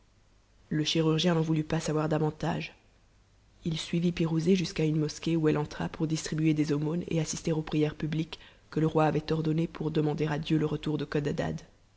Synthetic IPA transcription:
ləʃiʁyʁʒjɛ̃nɑ̃vulypasavwaʁd̪avɑ̃t̪aʒ | ilsɥivipiʁuzeʒyskaynmɔskʲeuɛlɑ̃t̪χa̰pʰuʁd̪ist̪χibyed̪ezomonḛasist̪eʁopχijɛʁpyblikː | ələʁwaːvɛt̪ɔʁd̪ɔnepʰuʁd̪əmɑ̃d̪eʁad̪jøləʁət̪uʁd̪əkɔd̪ad̪a̰d̪

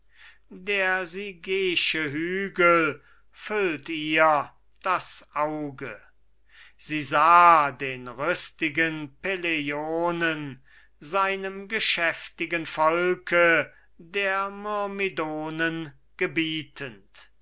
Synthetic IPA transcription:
deːɐziɡeːʃəɦyːɡəl | fʏltiːɐ | d̥asʔaʊɡə | z̥iːzaːdeːnʁʏstɪɡənpelejoːnən | zaɪnəmɡəʃɛftɪɡənfɔlkʰə | deːɐmɔɐmidoːnən | ɡ̥əbiːtʰənt

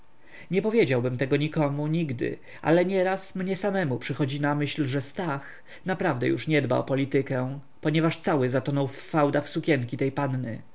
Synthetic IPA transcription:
ɲɛpɔvʲjed͡ʑawbɘmt̪ɛɡɔɲikɔmuɲiɡd̪ɘ̰ | a̰lɛɲɛɾasmɲɛsamɛmupʂɘxɔd͡ʑinamɘɕlʐɛst̪ax | napɾavd̪ɛ̰jṵʂɲɛd̪ba̰ɔ̰pɔlʲit̪ɘkɛ | pɔɲɛvaʂt̪sawɘzat̪ɔnɔwfːawd̪axsukʲjɛŋkʲit̪ɛjpanːnɘ̰

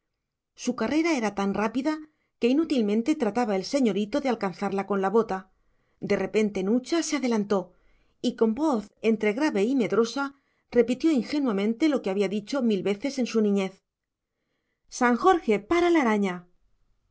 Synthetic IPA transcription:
sukare̞ɾae̞ɾat̪anrapiða | ke̞inut̪ilmẽ̞nt̪e̞t̪ɾat̪aβaelse̞ɲo̞ɾit̪o̞ðe̞alkan̟θaɾlako̞nlaβo̞t̪a | d̪e̞re̞pe̞nt̪e̞nut͡ʃase̞aðe̞lant̪o̞ | iko̞mbo̞θe̞nt̪ɾe̞ɣɾaβe̞ime̞ðɾo̞sa | re̞pit̪jo̞iŋxe̞nwamẽnt̪e̞lo̞keaβiaðit͡ʃo̞milβe̞θe̞se̞nsunĩɲe̞θ | saŋxo̞ɾxe̞paɾalaɾaɲa

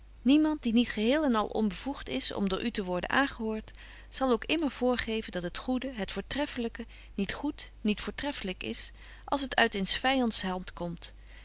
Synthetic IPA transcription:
nimɑnt̚dinitχəɦɪːlˠɛnɑ̰lˠʔɔ̰nbəvuχtɪsɔ̰mdʊːɹʔytəʋɔɹdə̰nʔa̰ːŋχəɦʊːɹt | sɑlˠowkɪməɹv̥ʊːɹχejvəndɑtɦətχudəɦətfʊːɹtrɛfələkə | nitχutnitfʊːɹtrɛfələkɪ̰s | ʔɑ̰lˠs̬ɦətœɥtɪnsfɛjɑntsɦɑlntkɔmt

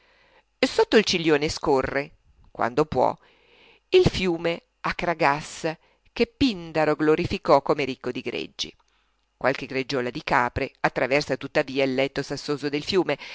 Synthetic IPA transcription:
sot̪ːoilt͡ʃiljoːneskorːe | kwa̰nd̪opwɔ̰ | ilfjuːme | akːɾaɡasːa | k̟epːind̪aɾoɡloɾifikɔkːomeɾikːod̪iɡɾḛd͡ʒːḭ | kwalkeɡɾed͡ʒːɔːlad̪ikaːpɾeat̪ːɾavɛrsat̪ut̪ːaviːailːɛt̪ːosasːoːzod̪elfjuːme

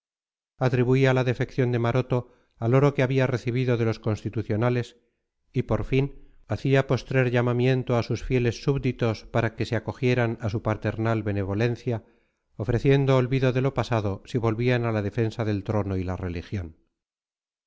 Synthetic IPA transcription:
at̪ɾiβuialaðe̞fe̞kθjo̞nd̪e̞maɾo̞t̪o̞ | alo̞ɾo̞keaβiare̞θiβiðo̞ðe̞lo̞sko̞nst̪it̪uθjo̞nale̞s | ipo̞ɾfin | aθiapo̞st̪ɾeɾʎamamje̞nt̪oasusfje̞le̞sːuβd̪it̪o̞spaɾake̞seako̞xje̞ɾanasupat̪e̞ɾnalβe̞ne̞β̞o̞le̞n̟θja | ofɾe̞θje̞nd̪oːlβiðo̞ðe̞lo̞pasaðo̞siβo̞lβianalaðe̞fe̞nsaðe̞lt̪ɾo̞no̞ilare̞lixjo̞n

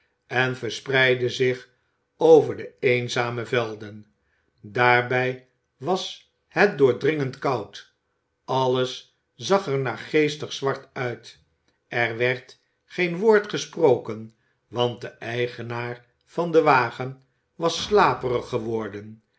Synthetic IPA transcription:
ɛnvəɹsprɛjdəzɪχ | owvəɹdəejnzaːməvɛlˠdən | daːɹbɛj | ʋɑs | hɛt̚dʊːɹdrɪŋəntkɑwt | ɑləs | zɑχɛɹnaːɹχejstəχsʋɑɹtœɥt | ʔɛrʋɛɹt | χejnʋoːɹtχəsprowkən | ʋɑnt̚dəʔɛjχənaːr | v̥ɑndəʋaːχən | ʋɑslaːpərəχəʋɔɹdən

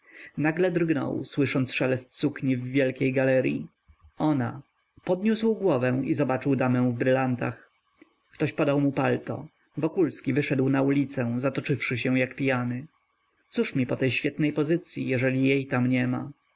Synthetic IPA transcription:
naɡlɛd̪ɾɡnɔ̰wswɘʂɔnt̪sʂɛlɛst̪sukɲivːʲjɛlkʲejɡalɛɾʲjḭ | ɔna | pɔd̪ɲuswɡwɔvɛw̃izɔbat͡ʂɘwd̪amɛ̃w̃vbɾɘlant̪a̰x | kt̪ɔɕpɔd̪awmupalt̪ɔ̰ | vɔkulskʲivɘʂɛd̪wnaulʲit̪sɛ̃zat̪ɔt͡ʂɘfʂɘɕɛ̃w̃jakpʲijanɘ | t̪suʂmʲipɔt̪ɛjɕfʲjɛt̪nɛjpɔzɘt̪sʲjḭjɛʐɛlʲijejt̪amɲɛma̰

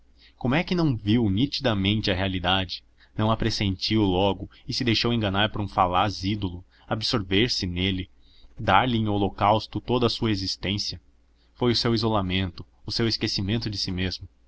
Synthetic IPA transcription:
komʊɛkɪnɐ̃w̃viwnit͡ʃid̪ɐmẽnt͡ʃɪɐɦealid̪ad͡ʒɪ | nɐ̃w̃apɾesẽnt͡ʃiwlɔɡʊɪsɪd̪ejʃowẽŋɡɐ̃naɾpʊɾũfalazid̪olʊ | abɪsoɾveɾsɪnelɪ | d̪aɾlɪẽjolokawst̪ʊt̪od̪ɐsuɐezist̪ẽsjɐ | fojʊsewizolamẽnt̪ʊːseweskesimẽnt̪ʊd͡ʒɪsimezmʊ

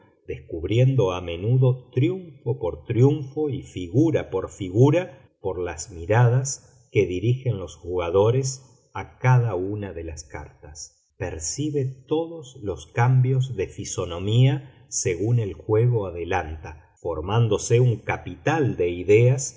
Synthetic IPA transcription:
d̪̥eskuβɾje̞nd̪oame̞nuðo̞t̪ɾjuɱfopoɾt̪ɾjuɱfo̞ifiɣuɾapoɾfiɣuɾa | poɾlasmiɾaðas | ke̞ðiɾixe̞nlo̞sxuɣaðo̞ɾe̞s | akaðaunaðe̞laska̰ɾt̪as | peɾsiβe̞t̪o̞ðosloskambjozðe̞fiso̞no̞mia | seɣune̞lxwe̞ɣo̞aðelant̪a | fo̞ɾmand̪o̞seuŋkapit̪ald̪e̞iðeas

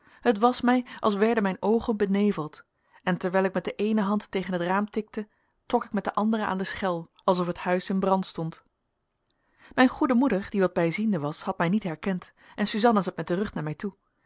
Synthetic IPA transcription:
ɦətʋɑsmɛjʔɑ̰lˠs̬ʋɛɹdənmɛjnowχənbənejvəlˠt | ɛntɛɹʋɛjlˠɪk̚mɛt̚dəʔejnəɦɑntːejχənɦətraːmtɪk̚tə | trɔkɪkmɛt̚dəʔɑndərəa̰ːndəsχɛlˠʔɑlˠs̬ɔfəthœɥsɪnbrɑntstɔnt | mɛjnχudəmudəɹd̥iʋɑd̚bɛjzindəʋɑshɑt̚mɛjnitɦɛɹkɛnt | ʔɛnsyzɑnəzɑt̚mɛt̚dərɵχtnaːɹmɛjtu

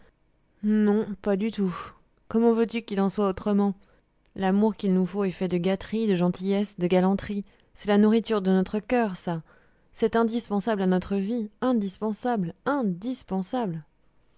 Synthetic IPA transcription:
nɔ̃pad̪yt̪u | kɔmɑ̃vøt̪ykʲilɑ̃swaot̪χəmɑ̃ | lamuʁkʲilnufoɛfɛd̪əɡat̪χid̪əʒɑ̃t̪ijɛsd̪əɡalɑ̃t̪χi | sɛlanuʁit̪yʁd̪ənɔt̪χəkʲœʁsa | sɛt̪ɛ̃d̪ispɑ̃sablanɔt̪χəviɛ̃d̪ispɑ̃sablɛ̃d̪ispɑ̃sabl

